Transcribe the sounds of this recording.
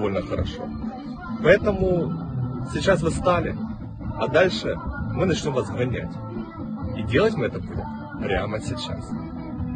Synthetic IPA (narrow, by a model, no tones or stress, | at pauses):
o̞lʲnəxəɾɐ̰ʂo̰ | pɐɛt̪əmʊ | sʲɪt͡ɕːasvɨst̪alʲɪ̰ | ɐd̪alʲʂɨmɨnɐt͡ɕnʲomvɐsɡɐnʲæ̰tʲ | idʲelˠətʲmɨɛt̪əplo̰x | pɾʲamɐsʲɪt͡ɕːa̰s